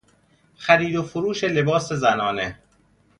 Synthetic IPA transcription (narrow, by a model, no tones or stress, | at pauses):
xæɾiːd̪ofoɾuːʃe̞le̞bɒːse̞zænɒːne